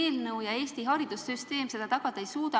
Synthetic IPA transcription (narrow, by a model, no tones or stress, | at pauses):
eːlnɤwjɑe̞ːst̪iɦɑɾid̪̥usːyst̪e̞ːmse̞d̪̥ɑt̪ɑɡ̥ɑd̪̥ɑejsuːd̪ɑ